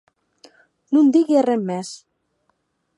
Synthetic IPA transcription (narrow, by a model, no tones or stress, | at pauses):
nund̪iɣiaremːes